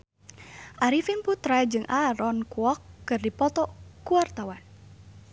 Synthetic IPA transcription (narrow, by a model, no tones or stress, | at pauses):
ʔaɾifinput̪ɾad͡ʒɨŋʔaɾɔnkuɔkːɨrdipɔt̪ɔkuart̪awan